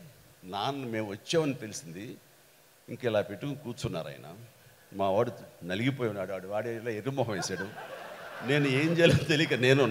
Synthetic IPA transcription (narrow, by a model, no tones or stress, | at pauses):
naːnume̞ːmʋɐt͡ʃːeːʋɐnit̪e̞lisind̪i | iŋkɐilaːpeʈːukukuːt͡ʃunːa̰ːɾɐ̰j̰na̰ | maːʋaːɽunɐliɡip̬oːjunːaːɽaːɽuʋaːɽelaːeɾumɔːɦɐ̃mʋeːsaːɽu | ne̞ːnueːɲt͡ʃeːlt̪elikɐneːnu